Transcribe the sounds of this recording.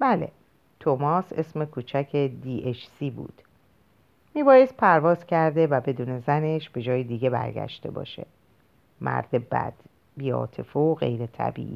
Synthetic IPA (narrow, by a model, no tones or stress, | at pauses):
bæle̞̰ | t̪ʰomɒːse̞sme̞kʰuːt͡ʃʰæcʰe̞d̪iːʔet͡ʃʰsiːbṵːd̪̥ | miːbɒːje̞st̪̚pʰæɾvɒːzcʰæɾd̪e̞væbe̞d̪uːne̞zæne̞ʃbe̞d͡ʒɒːjed̪iːɟe̞bæ̰ɾɟæ̰ʃt̪e̞̰bɒ̰ːʃe̞̰ | mʔæ̰ɾd̪ebæ̰d̪̥ | biːɒ̰ːt̪ʰe̞foɣe̞̰jɾet̪ʰæ̰bḭːʔiː